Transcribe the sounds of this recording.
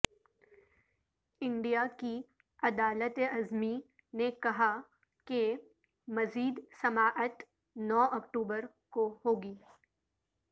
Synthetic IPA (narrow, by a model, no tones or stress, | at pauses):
ɪ̃ɳɖijaki | ɐd̪aːlət̪eɐzmi | nekɐɦa | ke | mɐziːd̪sɐmaːʔət̪ | nɔːɔkʈuːbəɾ | kohoːɡiː